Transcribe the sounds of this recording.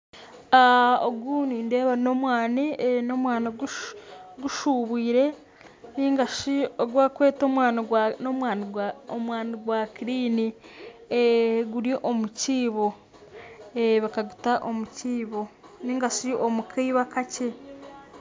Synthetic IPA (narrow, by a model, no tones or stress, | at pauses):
aoɡuːnindeːβano̞mwaːnino̞mwaːnaɡu | ɡuʃuːβiːɾe̞ | niŋɡaʃioɡwakwe̞ːtomwaːnnomwaːniomwaːniɡwakiɾiːnieɡuɾiʔomuciːβo̞ | eβakaɡu̥taʔomuciːβo̞niːŋɡaʃiomukʰiiβakace